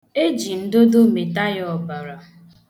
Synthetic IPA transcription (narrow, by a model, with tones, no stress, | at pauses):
e˦d͡ʒi˨n̩˦do˦do˦me˨ta˦jɔ˨ba˨ɾa˨